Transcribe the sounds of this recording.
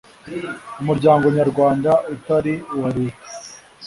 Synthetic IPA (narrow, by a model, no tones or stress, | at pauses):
umuɾɟaːŋɡo̞ɲaɾɡwaːndaʔut̪aɾiwaɾiki̥